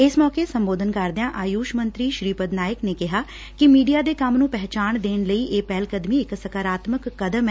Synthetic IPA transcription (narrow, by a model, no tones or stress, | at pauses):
ɪsmɔːkesəmboːd̪ʱənkəɾd̪ɪjãːʔaːjuːʃmənt̪ɾiːʃɾiːpəd̪naːjəkneːkɪɦaː | kɪmiːɖijaːd̪eːkəmnũːpɛɦt͡ʃaːɳd̪eːnləiːʔeːpɛːlkəd̪miːɪksəkaːɾaːt̪məkːəd̪əm